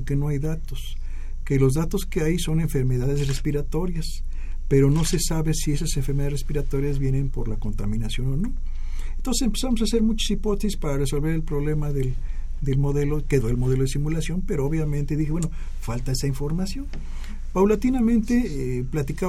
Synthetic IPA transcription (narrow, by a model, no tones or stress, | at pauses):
ke̞no̞ajðat̪os | ke̞lo̞zðat̪o̞skeajso̞ne̞ɱfe̞ɾme̞ðaðezre̞spiɾat̪o̞ɾjas | pe̞ɾo̞no̞sesaβesie̞saseɱfeɾmeaðrespiɾat̪o̞ɾjazβje̞ne̞mpo̞̰ɾlako̞nt̪amĩnasjo̞nono̞ | ent̪o̞nsesempe̞samosase̞ɾmut͡ʃḁsipo̞t̪esispaɾareso̞lβe̞ɾe̞lpɾo̞βle̞maðel | d̪e̞lmo̞ðe̞lo̞ke̞ðoelmo̞ð̞e̞lo̞ðesimulasjo̞npe̞ɾooβjamẽnt̪e̞ðixeweno | falt̪ae̞saiɱfo̞ɾmasjo̞n | pawlat̪inamẽnt̪e̞plat̪ika